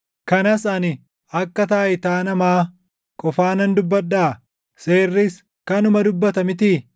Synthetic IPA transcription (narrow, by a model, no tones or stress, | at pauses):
kɐnɐsɐnɪ | ɐkːɐt̪aːjɪt̪aːnɐmaː | kʼɔfaːnɐnd̪ʊbːɐᶑːaː | seːrːɪs | kɐnʊmɐd̪ʊbːɐt̪ɐmɪt̪iː